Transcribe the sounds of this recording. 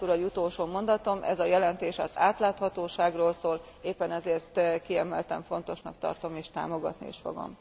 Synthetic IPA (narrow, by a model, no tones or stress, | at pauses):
t̪uɾɒɟut̪olʃoːmo̞nd̪ɒt̪o̞mʔɛ̰zɒjɛlɛnt̪eːʃɒ̰zaːt̪laːt̪hɒt̪oːʃaːɡroːlsoːl | eːpːɛnɛzeːrt̪kiɛmɛlt̪ɛ̰ɱfo̞nt̪o̞ʃnɒkt̪ɒ̰rt̪o̞meːʃt̪a̰ːmo̞ɡɒ̰t̪niḛːʃfo̰ɡo̰m